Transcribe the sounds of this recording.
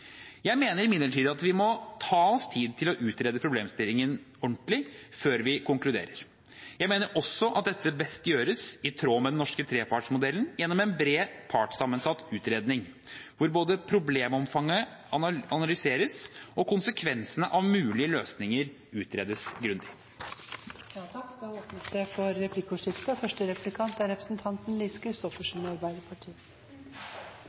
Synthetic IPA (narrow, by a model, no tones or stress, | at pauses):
jæɪmeːnəɾɪmɪd̪ləʈʰiːd̪ɑt̪ʋɪmɔt̪ʰɑːɔst̪ʰiːd̪t̪ʰɪlɔʔʉːt̪ɾeːd̪əpʰɾʊbleːmst̪ɪlːɪŋən | ɔɳʈ̪lɪføːɾʋɪkʰʊŋklʉd̪ḛːɾəɾ | jæɪmeːnəɾʔɔsːɔʔɑ̰t̪̚d̪ɛt̪ːəbɛst̪jøːɾəsɪt̪ʰɾoːmɛd̪ɛnɔʂkət̪ʰɾeːpʰɑʈʂmʊd̪ɛlːənjɛnːɔmɛnbɾeːpʰɑʈsɑmːənsɑt̪ːʉːt̪ɾeːd̪nɪŋ | ʋʊɾboːd̪əpʰɾʊbleːmɔmfɑŋːə | ɑnɑnɑlʏseːɾəsɔkʰʊnsəkʰʋɛnsənəʔɑʋmʉːlɪəløːsnɪŋəɾ | ʉːt̪ʰɾeːd̪əsɡɾʉnd̪ɪ | ɑoːpnəsd̪ɛfɔɾːɛpʰlɪkːʊʂɪft̪əfœʂʈəɾɛpʉlɪkʰɑnt̪æɾɛpɾə̥snt̪ʰɑnt̪n̩liːskʰɾɪst̪ɔfəʂnɑɾbæɪd̪əpʰɑʈʰiːə